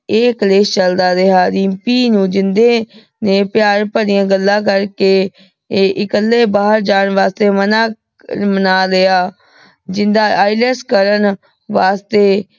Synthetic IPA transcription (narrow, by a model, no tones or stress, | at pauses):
eːkəleːst͡ʃəld̪aːd̪eɦaːd̪iːmpiːnũːd͡ʒɪnd̪eː | neːpɪjaːɾpəɽɪjãːɡəlːãːkəɾkeː | ʔɪkəlːeːbaːɦəɾd͡ʒaːɳʋaːst̪eːmənaː | mənaːleaː | d͡ʒɪnd̪aːʔaːɪleskəɾən | ʋaːst̪eː